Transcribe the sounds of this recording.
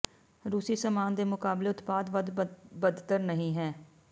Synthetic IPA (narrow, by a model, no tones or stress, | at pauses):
ɾuːsiːsəmaːnd̪eːmʊkaːbleːʊt̪paːd̪ʋəd̪bəd̪t̪əɾnəɦĩːɦɛː